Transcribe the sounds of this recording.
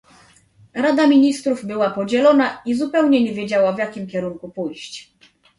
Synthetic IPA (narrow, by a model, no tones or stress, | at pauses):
ɾad̪amʲiɲist̪ɾuvbɘwapɔd͡ʑɛlɔnaizupɛwɲɛɲɛvʲjed͡ʑawavʲjakʲimkʲɛɾuŋkupujɕt͡ɕ